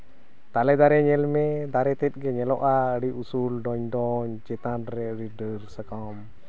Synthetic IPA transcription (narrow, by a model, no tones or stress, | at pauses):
t̪alɛd̪aɾɛɲɛlmɛd̪aɾɛt̪ɛt̪̚ˀɡɛɲɛlɔʔaəɽiʔusulɖɔɲɖɔɲd͡ʒɛt̪anɾɛəɽiɖəɾsəka | m